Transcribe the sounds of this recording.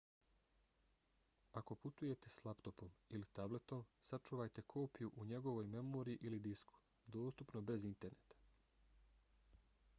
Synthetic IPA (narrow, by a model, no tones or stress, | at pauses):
ako̞put̪uje̞t̪e̞slˠapt̪o̞po̞milit̪able̞t̪o̞msat͡ʃuːʋajt̪e̞kʰo̞ːpijuʔuɲe̞ɡo̞ʋojme̞moɾiiʔilid̪isku̥ | d̪o̞ːst̪upnobe̞zint̪e̞ɾnet̪ḁ